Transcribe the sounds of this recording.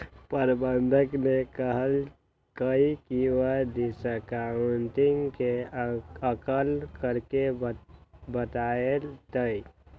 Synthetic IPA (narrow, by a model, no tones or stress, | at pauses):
pəɾbənd̪ʱəknekəɦəl | kəikiwəd̪isəkaʊnʈɪŋke | əkəlkəɾke | bət̪aelt̪əi